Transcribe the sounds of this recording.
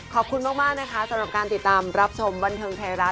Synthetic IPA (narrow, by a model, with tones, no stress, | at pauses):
kʰɔː˨˩p̚kʰu˧nmaː˥˩k̚maː˥˩k̚na˦˥kʰa˦˥sa˧˦mɾa˨˩p̚kaː˧nt̪i˨˩t̪ːaː˧mɾa˦˥p̚t͡ɕʰo˧mba˧nt̪ʰɤː˧ŋt̪ʰɛː˧˩ɾa˦˥